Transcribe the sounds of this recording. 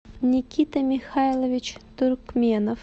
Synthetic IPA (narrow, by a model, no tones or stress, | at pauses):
nʲɪkʲit̪ɐmʲɪxajlˠəvʲɪt͡ɕt̪ʊrkmʲenəf